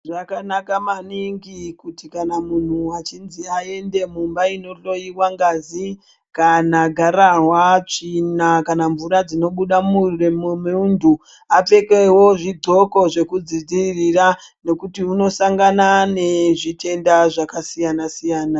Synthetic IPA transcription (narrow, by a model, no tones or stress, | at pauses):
ʐakanakamaniŋɡikutikanamun̤uat͡ʃinziae̞nde̞mumbaino̞roiwaŋɡazi | kanaɡʱaɾaɦwat͡ʂinakanaɱvuɾad͡zino̞ɓuɗamuremumeundu | ap͡fe̞ke̞wo̞ʐid͡zʱo̞ko̞ʐe̞kud͡zid͡ziririrane̞kutiuno̞saŋɡanane̞ʐitʰe̞ndaʐakasijanasijaːna